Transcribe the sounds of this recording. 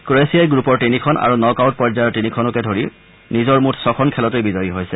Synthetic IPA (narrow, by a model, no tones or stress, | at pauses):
kɹoesiajɡɹupɔɹtinikʰɔna̰ɹunɔkawt̚pɔɹzajɔɹtinikʰɔnɔkɛdʱoɹiɹ | nizɔɹmutʰsɔkʰɔnkʰɛlɔtejbizɔjiɦojsɛ